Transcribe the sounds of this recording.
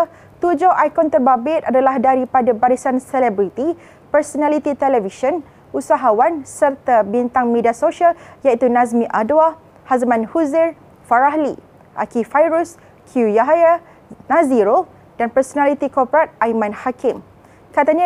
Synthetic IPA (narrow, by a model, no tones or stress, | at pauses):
t̪ud͡ʒoʔajkɔnt̪ərbabɪt̪̚adalahdaɾipadabaɾisansɛlɛbɾit̪i | pərsonalit̪it̪ɛlɛviʃən | usaɦawansərt̪abint̪aŋmẽdiasoʃaljait̪unãzmĩʔadua | hazmãnhuzɪr | faɾaɦli | ʔa̰kifajɾus | kʰujaɦaja | naziɾo | d̥anpərsonalit̪ikɔrpɾat̪̚ajmãnhakɪm | kat̪aɲa